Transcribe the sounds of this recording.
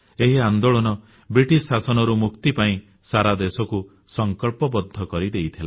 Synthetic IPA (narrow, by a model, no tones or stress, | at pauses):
eɦiand̪oɭɔnɔ | bɾiʈisːasɔnɔɾumukt̪ipaĩ | saɾad̪esɔku | sɔŋkɔlpɔbɔd̪ʱːɔkɔɾid̪ejt̪ʰila